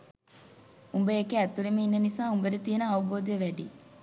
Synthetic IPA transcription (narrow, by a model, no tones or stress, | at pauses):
umbəjekeæt̪ːulimeinːənisaːumbəɾet̪ijenəɐʋuboːd̪jeʋæɖi